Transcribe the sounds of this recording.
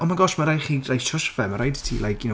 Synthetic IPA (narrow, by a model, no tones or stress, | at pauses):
ɔnmaɡɔʃmaɾajχiːrajʃʰɔʃvɛmaɾajditʰḭːlajin